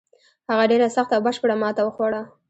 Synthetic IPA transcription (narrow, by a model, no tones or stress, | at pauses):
haɣaɖeɾasaxt̪awbəʃpəɽamɑt̪awəxwaɽa